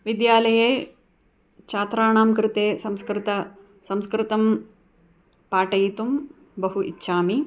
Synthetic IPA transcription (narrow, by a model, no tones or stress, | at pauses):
ʋid̪jaːlɐjeː | t͡ʃaːt̪ɾaːɳaːmkɾɪt̪eːsɐmskɾɪt̪ɐ | sɐmskɾɪt̪ɐm | paːʈɐjit̪um | bɐɦuʔitːʃʰaːmi